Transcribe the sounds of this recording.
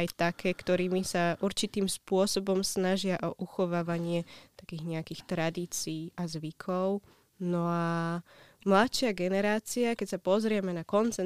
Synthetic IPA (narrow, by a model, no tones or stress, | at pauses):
ajt̪akʰɛːkt̪ɔɾiːmisaʔuɾt͡ʃit̪iːmspʊɔsɔbɔmsnaʒɪaʔɔʔuxɔʋaːʋaɲɪɛt̪ḁkiːɣɲɛakixt̪ɾad̪iːt͡siːʔazʋikʰɔʊ | nɔa | mlat̪ʃɪaɡɛnɛɾaːt͡siakɛcsapɔzɾɪɛmɛnakɔnt͡sɛ